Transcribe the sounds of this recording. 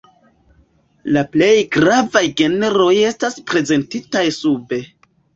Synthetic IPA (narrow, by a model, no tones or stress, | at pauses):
laple̞jɡɾavajɡe̞neɾo̞je̞staspɾe̞ze̞ntitajsube̞